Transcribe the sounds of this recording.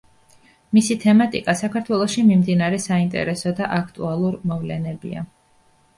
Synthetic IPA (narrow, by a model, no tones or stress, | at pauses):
misit̪ʰɛmat̪ʼikʼasakʰaɾt̪ʰwɛlˠɔʃimimd̪inaɾɛsaint̪ʼɛ̰ɾɛsɔd̪aʔakʰt̪ʼṵalˠuɾmɔvlɛ̰nɛbḭa̰